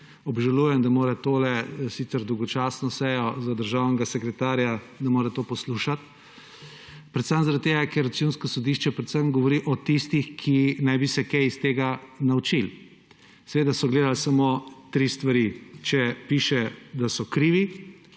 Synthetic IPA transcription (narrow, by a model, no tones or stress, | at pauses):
ɔbʒaluːjɛmd̪amoːɾɛt̪oːlɛsit̪sɛɾd̪ɔwɡɔt͡ʃasnɔsɛjɔzad̪əɾʒawnɛɡasɛkɾɛt̪aːɾja | d̪ɐmoːɾɛt̪oːpɔsluʃat̪ | pɾɛt̪sənzaɾat̪t̪ːeːɡakɛɾɐt̪sunskɔsɔd̪iʃt͡ʃɛpɾɛt̪səmɡɔʋɔɾiʔɔt̪ist̪ixkʰinajbisɛkɛist̪eːɡanawt͡ʃil | sɛʋeːd̪asɔɡleːd̪alsamoːt̪ɾist̪ʋaɾit͡ʃɛpiʃɛd̪asɔkɾiːʋi